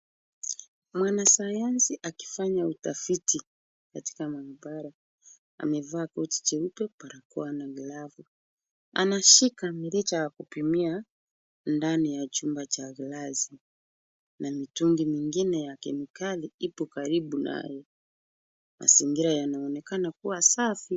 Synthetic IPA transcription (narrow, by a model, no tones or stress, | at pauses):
mwanasajansiʔaki̥faɲautafiti | kati̥kamaibaɾa | a̰mɛvaːkɔti̥t͡ʃɛupɛpaɾakuanaɣlavu | a̰naʃikamiɾit͡ʃajakupimia | ndanijat͡ʃumbat͡ʃaɣilazi | namituŋɡimiŋɡinɛjakɛnikaliipɔkaɾiɓunʔa̰jɛ | mʔa̰ziŋɡiɾajanaɔnɛkanakuwasafi